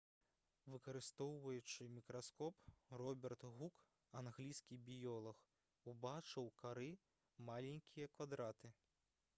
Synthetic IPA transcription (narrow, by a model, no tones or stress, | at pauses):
vɨkɐɾɨst̪ɔwvɐjut͡ʂɨmʲikɾaskɔprɔbʲɛrt̪ɣuk | anɣlʲijskʲibʲijɔlˠɐx | ubat͡ʂɨwkaɾɨ | malʲɛnʲkʲijɐkvad̪ɾat̪ɨ